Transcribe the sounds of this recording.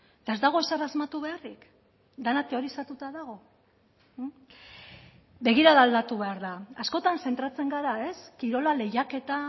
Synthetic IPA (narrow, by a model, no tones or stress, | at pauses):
t̪ae̞zd̪aɣ̞o̞e̞sarazmat̪uβe̞arik | d̪anat̪e̞o̞ɾisat̪ut̪aðaɣ̞o̞ | be̞ɣ̞iɾaðald̪at̪uβe̞aɾðaːsko̞t̪anse̞nt̪ɾat͡se̞ŋɡaɾae̞skiɾo̞lale̞jake̞t̪a